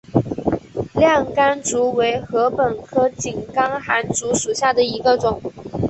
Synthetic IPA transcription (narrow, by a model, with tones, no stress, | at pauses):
ljɑ˥˩ŋka˥nt͡su˧˥we˧˥ɪxɤ˧˥pə˨˩nkʰɤ˥t͡ɕi˨˩nkɑ˥ŋxa˧˥nt͡su˧˥ʂu˨˩ɕja˥˩d̪ə˩i˧˥ɡə˧ʈ͡ʂʊ˨˩˦ŋ